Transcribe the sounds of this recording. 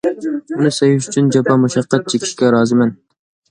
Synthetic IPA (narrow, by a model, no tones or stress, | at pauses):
unɨsɛjɪʃyt͡ʃʰynd͡ʒɛpʰɑmuʃɑqːɑt̪̚t͡ʃʰekʲʰi̥ʃkʲɛɾɑːzɨmɛn